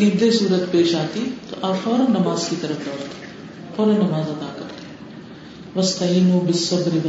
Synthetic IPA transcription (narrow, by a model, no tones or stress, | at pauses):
iːd̪esuːɾət̪peːʃaːt̪it̪o̰ʔaːfɔːɾɐ̃nɐmaːzkit̪ɐɾəfd̪ɔːɾt̪e̥ | fɔːɾɐ̃nɐmaːzɐd̪aːkɐɾt̪e̥ | ʋɐst̪ɐɦiːnuːbɪsːɐbɾiʋɐ